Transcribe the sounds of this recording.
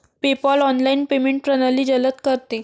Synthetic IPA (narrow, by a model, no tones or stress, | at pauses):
pepɔlɔnlainpemeɳʈɾənəliːd͡ʑələt̪kəɾt̪e